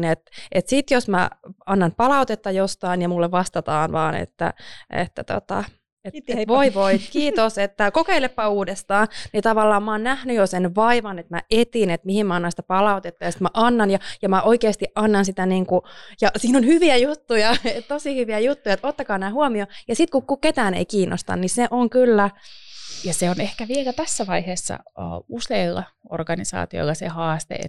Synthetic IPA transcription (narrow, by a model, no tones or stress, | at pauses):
net̪et̪sit̪josmæ̰ɑnːɑnpɑlɑut̪et̪ːɑjost̪ɑːnjɑmulːeʋʋɑst̪ɑt̪ɑːnʋɑːnḛt̪ːæ̰ḛt̪ːæt̪o̰t̪ɑ̰ | et̪eʋoiʋoikiːt̪oset̪ːækokeilepːɑuːdest̪ɑːnnit̪ɑʋɑlːɑːmmɑːnnæhnyjosenʋɑiʋɑnet̪mæʔet̪inet̪mihimmæɑnːɑnsit̪æpɑlɑut̪et̪ːɑjɑsi̥t̪mæʔɑnːɑnjɑjɑmæʔoikeːst̪iʔʔɑnːɑnsit̪æniːŋkujɑsiːnonhyʋiæjut̪ːujɑett̪osihyʋiæjut̪ːujɑet̪ot̪ːɑkɑːnæːhuomiojɑsit̪kukkuket̪æːnḛikiːnːo̰st̪ɑ̰nniseʔoŋkylːæ | jɑseonehkæʋielæt̪æsːæʋɑiheːsːɑ̰ə̰ːuseilːɑ̰o̰rɡ̥ɑnisɑ̰ːt̪io̰lːɑsḛhɑːst̪ḛḛt̪ː